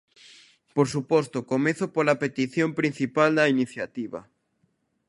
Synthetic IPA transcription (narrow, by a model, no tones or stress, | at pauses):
poɾsupost̪okomeθopolapet̪iθjompɾin̟θipald̪ɐiniθjat̪iβɐ̰